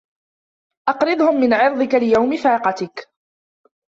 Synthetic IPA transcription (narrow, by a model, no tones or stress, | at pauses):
ʔɑqɾɪd̪ˤhʊmːɪnʕɪɾd̪ˤɪkalɪjawmɪfaːqɑt̪ɪk